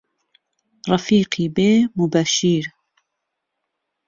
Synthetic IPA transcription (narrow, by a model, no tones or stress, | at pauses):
rɑfiːqiːbeːmubæʃiːɾ